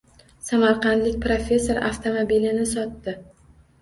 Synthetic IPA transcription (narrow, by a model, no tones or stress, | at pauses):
samaɾqɑnd̪lɪk̚ʲpɾofʲe̞sːo̞ɾa̰ft̪ʰomobilɪnɪsɒt̪ːɪ